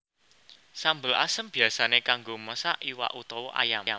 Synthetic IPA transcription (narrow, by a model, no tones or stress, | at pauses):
sambəlʔa̰səmb̥i̤asanekaŋɡoməsaʔiwa̰ʔut̪ɔwɔʔa̰jam